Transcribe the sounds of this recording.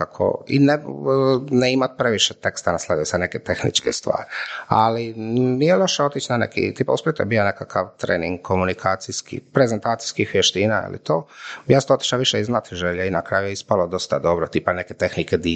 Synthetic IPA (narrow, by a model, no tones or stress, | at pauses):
akʰo̰ḭne | neimat̪̚pɾeʋiʃet̪e̞kst̪anaslˠad̪ijusad̪neket̪exnḭt͡ʃkest̪ʋa̰ːɾia̰linijelˠoʃeo̞t̪it͡ʃnanekḭt̪iːpauspjet̪obijonekakʰaʋt̪ɾḛːnḭŋɡkʰo̞munikʰaːt̪sijskḭpɾe̞zent̪aːt̪si̥jskixʋjeʃt̪iːnaḭlḭt̪oːjast̪ot̪i̥ʃaʋiʃeiznat̪ʒeʎainakɾaːjujeispalod̪o̞st̪ad̪o̞bɾot̪iːpaneket̪e̞xniked̪i